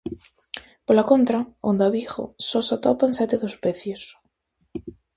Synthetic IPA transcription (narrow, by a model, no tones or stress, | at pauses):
polakont̪ɾaond̪aβixo̰sosat̪opaensɛt̪eðospeθjos